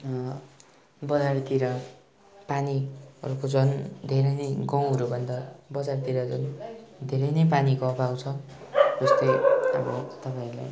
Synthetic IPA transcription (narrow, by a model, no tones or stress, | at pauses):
bʌd͡zart̪iɾʌ | paniʌ̰ɾukod͡zʌnd̪ʱeɾʌjnʌjɡʌw̃ɦʌɾubʱʌnd̪ʌbʌd͡zart̪iɾʌd͡zund̪ʱeɾʌjnʌjpanikoʌbawt͡sʰʌ | d͡zʌst̪ʌjʌ̰bʌt̪ʌpaĩla̰j